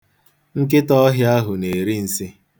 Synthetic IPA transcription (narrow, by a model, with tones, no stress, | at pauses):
ŋ̩˦k̬ɪ˦tɔ˦ɔ˦ɦja˦ɦʊ˨ne˨ɾi˦n̩˨sɪ˦